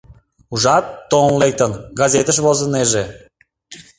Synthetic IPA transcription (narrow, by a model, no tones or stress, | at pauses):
uʒɑt̪ːonlek̚t̪ənɡɑzʲet̪əʃβozəneʒe